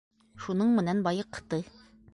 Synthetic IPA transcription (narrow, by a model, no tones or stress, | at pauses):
ʃunɤɴmɘ̆nænbɒjɤqːt̪ɤ